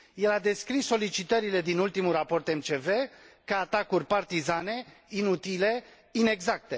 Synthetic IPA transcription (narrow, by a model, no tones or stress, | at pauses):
je̞lad̪e̞skɾisːo̞lit͡ʃit̪əɾile̞d̪inult̪imulrapo̞rt̪e̞mt͡ʃe̞ve̞kaat̪akurʲpart̪izane̞ | inut̪ile̞ | ine̞ɡzak̚t̪e̞